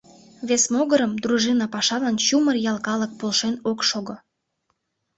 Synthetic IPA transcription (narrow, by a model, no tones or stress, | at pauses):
βesmoɣəɾəmd̪ɾuʒinɑpɑʃɑlɑnɕumərjɑlˠkɑlək̚polʃenokʃoɣo